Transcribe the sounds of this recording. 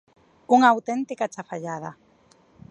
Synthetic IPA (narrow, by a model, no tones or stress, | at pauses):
uŋaːwt̪ɛnt̪ikat͡ʃafaʎaða